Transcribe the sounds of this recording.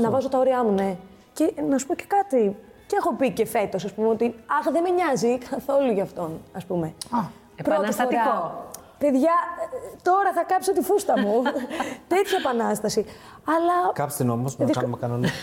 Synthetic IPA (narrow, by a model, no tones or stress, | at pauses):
nɐvɐzo̞t̪ɐo̞ɾiɐmune̞ | ce̞nɐsu̥po̞ce̞̥kɐt̪i | ceexo̞pice̞fe̞t̪o̞sɐspumeot̪iɐxðe̞meɲɐzikɐθo̞luʝɐːft̪o̞nɐspume̞ | pɾot̪isoɐo | pe̞ðʝɐt̪o̞ɾɐθɐkɐpsot̪ifust̪ɐmut̪e̞t̪çɐepɐnɐst̪ɐsi | ɐlɐkɐpst̪inomosmðmkɐnon